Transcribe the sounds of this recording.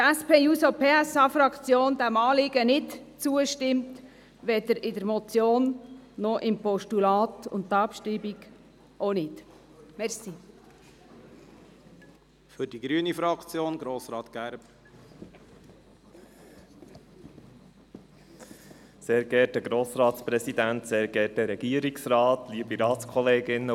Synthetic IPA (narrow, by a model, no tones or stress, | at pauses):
æspʰeːjuːsopʰeːæsɑːfɾɑkt͡sjoːnd̪æmɑːlɪɡ̥ənɪtt͡suəʃtɪmt̪ | ʋɛd̪əɾɪdəɾmɔt͡sjoːnːɔʔɪmpɔʃtulɑːt̪ʊ̰nttːɑːpʃtibiɡ | ʔonɪt̪ | mɛɾsi | fʏɾd̥iɡɾyːənifɾɑkt͡sjoːnɡɾoːsɾɑːt̪ɡ̥æɾb | seːɾɡɛt̚dəɡɾoːsɾɑːt̪spɾɛsidænt̪seːɾɡɛt̚dəɾɛɡ̥iəɾiksrɑːt̪liːbiɾɑːtskʰɔleːɡɪnə